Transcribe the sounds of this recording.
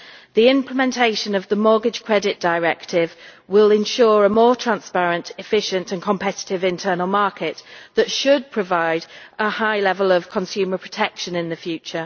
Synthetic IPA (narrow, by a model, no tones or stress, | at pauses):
ðiɪ̃mpʰlɪmɛ̃ntʰeɪʃə̃nəvðəmɔːɡɪd̥ʒ̥kʰɹ̥ɛdɪʔd̥əɪɹɛktʰɪvwɪlɪ̃nʃɔːɹəmɔːtʰɹ̥ãnspaɹə̃ntʰɪfɪʃə̃ntə̃nkʰə̃mpʰɛtɪ̥tɪvɪ̃ntʰɜːnəlˠmɑˑkʰɪʔðətʃəd̚pʰɹ̥əvaɪdəhaɪlɛvəlˠəv̥kʰə̃nsjʉːməpʰɹ̥ətʰɛkʃə̃nɪ̃nðəfjʉˑt͡ʃə